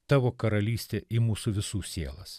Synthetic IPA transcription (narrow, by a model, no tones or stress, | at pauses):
t̪ɑːʋoːkɐɾɐlʲiːsʲt̪ʲeːimuːsʊʋʲɪsuːsʲiɛlˠɐs